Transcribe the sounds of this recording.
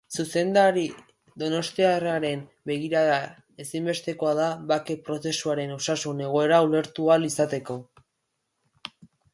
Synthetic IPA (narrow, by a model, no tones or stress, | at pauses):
suse̞nd̪aɾi | d̪o̞no̞st̪iaraɾe̞n | be̞ɣ̞iɾaða | e̞simbe̞st̪e̞ko̞aðaβake̞pɾo̞se̞suaɾe̞nosasune̞ɣ̞o̞e̞ɾaule̞ɾt̪ualisat̪e̞ko̞